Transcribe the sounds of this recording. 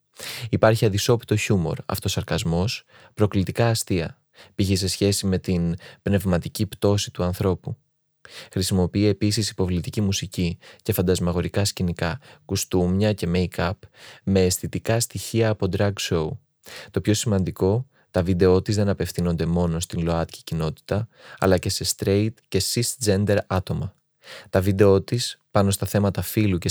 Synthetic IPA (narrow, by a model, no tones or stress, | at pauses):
ipɐɾçiɐd̪iso̞pi̥t̪o̞çumo̞̰ɾɐ̰ft̪o̞sɐɾkɐzmo̞s | pɾo̞klit̪ikɐːst̪iɐ̰ | piçes̬e̞sçe̞sime̞t̪inbne̞vmɐt̪icipt̪o̞sit̪uɐnθɾo̞pu | xɾisimo̞piie̞pisisi̥po̞vlit̪icimusicice̞fɐnd̪ɐzmɐɣo̞ɾikɐscinikɐkust̪umɲɐce̞meikɐpme̞ːsθit̪ikɐst̪içiɐːpo̞d̪ɾɐɡso̞u | t̪o̞pço̞simɐnd̪iko̞ | t̪ɐvid̪e̞o̞t̪izðe̞nɐpe̞fθino̞nd̪e̞mo̞no̞st̪inlo̞ɐt̪ci̥cino̞t̪i̥t̪ɐɐ̰lɐce̞se̞st̪ɾe̞it̪ce̞sisd͡ze̞nd̪e̞ɾɐt̪o̞mɐ | t̪ɐvid̪e̞o̞t̪ispɐno̞st̪ɐθe̞mɐt̪ɐfiluce